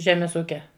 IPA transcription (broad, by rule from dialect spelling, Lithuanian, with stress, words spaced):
ˈʒʲæːmʲɛs ˈuːkʲɛ